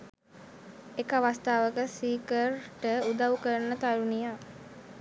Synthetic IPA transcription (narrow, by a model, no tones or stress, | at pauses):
ekəʋast̪aːʋəkəsiːkərʈəud̪aʋukəɾnət̪aɾunija